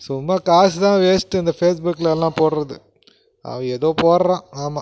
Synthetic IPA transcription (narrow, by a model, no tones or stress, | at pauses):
sʊmːakaːst̪ãːʋeːsʈːɯɪnd̪ɐfeːs̬bʊkːlɐɛlːãːpoːɽɾɐðɯ | ʔɐ̰ʋɐ̃ɛðoːpoːɾɐɾãːaːmaː